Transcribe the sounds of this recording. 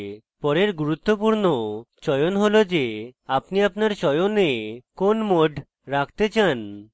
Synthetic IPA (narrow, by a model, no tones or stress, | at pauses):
pɔɾeɾɡuɾut̪ːopuɾnot͡ɕɔjonɦolod͡ʑeapniapnaɾʃɔjonekonmoɖʱ | ɾak̚ʰt̪et͡ɕan